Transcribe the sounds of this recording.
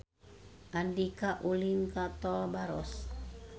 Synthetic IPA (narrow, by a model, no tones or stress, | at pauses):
ʔandikaʔulinkat̪ɔlbaɾɔs